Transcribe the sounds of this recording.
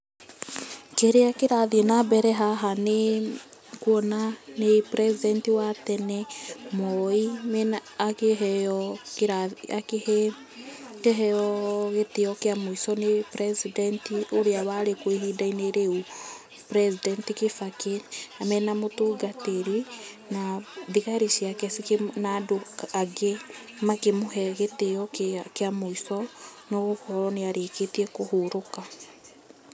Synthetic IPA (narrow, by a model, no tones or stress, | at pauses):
keɾeakeɾaðienabɛɾɛɦaɦane | kuɔnanepɾɛsidɛntiwatɛnɛmɔimɛnakeɦɛɔkaak | keɦɛɔɣeteɔkeamoisɔnepɾɛsidɛntioɾeawaɾekweɦidaineɾeu | pɾɛsidɛntikefakenamɛnamotoɡateɾi | naðiɣaɾisjakɛsiknaːdoaɡe | makemoɦɛɣeteɔkkeamoisɔnoɣohɔɾɔneaɾeketiɛkohoɾoka